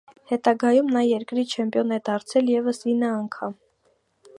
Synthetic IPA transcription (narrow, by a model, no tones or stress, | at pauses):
hɛt̪ɑɡɑjumnɑjɛɾkɾit͡ʃʰɛmpjɔnɛd̪ɑɾt͡sʰɛljɛvəsinːəɑŋkʰɑm